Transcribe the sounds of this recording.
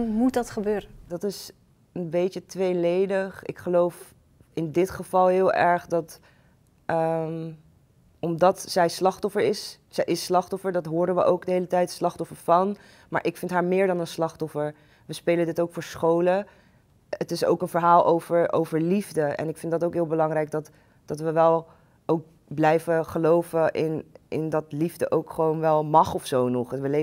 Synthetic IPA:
mut̚dɑtχəbøːɾədɑtɪs | ənbejt͡ʃətʋejlejdəχɪ̰kχəlowf | ɪndɪtχəv̥ɑlˠɦɪːlˠʔɛɹχdɑt | ʔəm | ɔmdɑtsɛjslɑχtɔfəɹɪs | sɛjʔɪslɑχtɔfəɹdɑtɦʊːɾənʋə̰ʔowkdəɦejlətɛjtslɑχtɔfəɹfɑn | maːɹʔɪkfɪntɦaːɹmɪːɹdɑnənslɑχtɔfəɹ | ʋəspejləndɪtowkfʊːɹsχowlə | ətɪso̰wkənvəɹɦaːlˠʔowvəɹʔo̰wvəɹlivdəɛ̰nɪkfɪndɑtoʊwkɦɪːlˠbəlɑŋɾɛjɡ̚dɑt | d̥ɑtʋəʋɛlˠ | ʔowk̚ | blɛjvəχəlowvəʔɪnɪndɑtlivdə̰ʔowkχəʋownʋɛlˠmɑχɔfsownɔχʋəle

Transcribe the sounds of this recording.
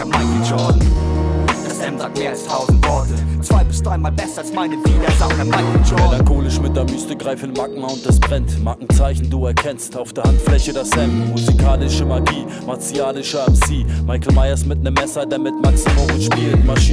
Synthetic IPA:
maɪkəd͡ʒɔdn̩̥ | ɛmameːɐastʰaʊzn̩tvɔɐtət͡sv̥aɪbɪsd̥ʁaɪnmaːlbɛsɐalsmaɪnədiːdɐzaɛmaɪkɔmelaŋkʰoːlɪʃmɪt̚d̥eːɐmyːstəɡʁaɪfn̩dmak̚ŋ̩aʊnt̚d̥asb̥ʁɛntmakŋ̩t͡saɪçn̩duːɛɐkʰɛnstaʊfd̥eːɐhantflɛçədasɛmmuzikʰaːlɪʃəmaɐɡiː | maɐt͡siaːlɪʃəɛmsiːmaɪkl̩maɪɐsmɪtnəmːɛsɐdeːɐmɪtmaksifoːmɪʃpiːləmaʃi

